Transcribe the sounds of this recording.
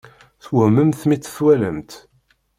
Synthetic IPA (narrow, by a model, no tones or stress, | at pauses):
θwəməmθmit͡sːθwæləmt̪